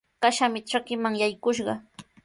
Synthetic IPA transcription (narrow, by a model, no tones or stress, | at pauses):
kaʃamɪʈ͡ʂakɪmaŋjajkʊʃɢɑ